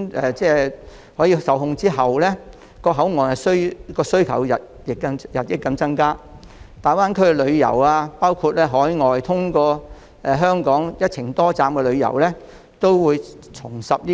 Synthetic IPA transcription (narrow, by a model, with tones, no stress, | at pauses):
ɛː˨t͡sɛː˥ | hɔː˨˥jiː˧sɐ˨wɦʊ˧ŋt͡siː˥ɦɐ˨wlɛː˥ | kɔː˧ɦɐ˨˥wŋɔː˨˩nhɐ˨jsɵ˥ɥkɔː˧sɵ˥ɥkʰɐ̰˨˩wjɐ˨t̚jɪ˨kːɐ˧jɐ˨t̚jɪ˨˥kːɐ˧mt͡sɐ˥nkaː˥ | t̪aː˨jwaː˥nkʰɵ˥ɥɛ˧lɵ˨˧ɥjɐ̰˨˩waː˧paː˥wkʰu˧t̚lɛː˥ɦɔː˨˥jŋɔː˨jt̪ʰʊ˥ŋkɔː˧ | ɛː˨˩ɦœː˥ŋkɔː˨˥ŋjɐ˥t̚t͡sʰɪ˨˩ŋt̪ɔː˥t͡saː˧mkɛ˧lɵ˨˧ɥjɐ̰˨˩wlɛː˥ | t̪o˥wwuː˨˧jt͡sʰʊ˨˩ŋsɐ˨p̚i˥